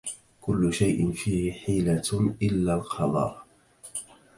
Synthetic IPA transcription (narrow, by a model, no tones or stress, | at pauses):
kʊlːʊʃajʔɪnfiːhɪħiːlaʔɪlːaːlqʰɑd̪ˤɑ̰ɾˤ